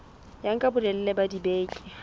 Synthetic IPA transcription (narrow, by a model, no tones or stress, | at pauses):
jaŋ̩kʼabʊdɛl̩lebadibeːkʼi̥